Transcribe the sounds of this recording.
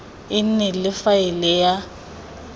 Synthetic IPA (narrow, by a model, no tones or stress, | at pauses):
ɪn̩nɛlɪfaɪlɛja